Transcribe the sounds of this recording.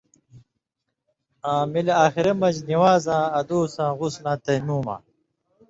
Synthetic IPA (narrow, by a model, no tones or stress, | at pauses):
ãːmilaːxiɾɐmɐd͡ʑniwaːzãːɐd̪oːsãːʁuslãːt̪ɐmuːma̰ː